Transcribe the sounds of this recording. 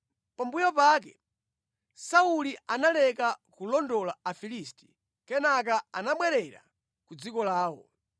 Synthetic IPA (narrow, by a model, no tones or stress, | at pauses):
pambujɔpak̬ɛ | saulianalɛkakulɔndɔlaafilisti̥ | kɛnak̬aanaɓwɛɾɛɾa̰ | kud͡zikɔlaːwɔ̰